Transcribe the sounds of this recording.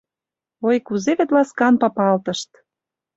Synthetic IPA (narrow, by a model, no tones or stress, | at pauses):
ojkuzeβet̪lɑskɑnpɑpɑlt̪ɤ̆ʃt̪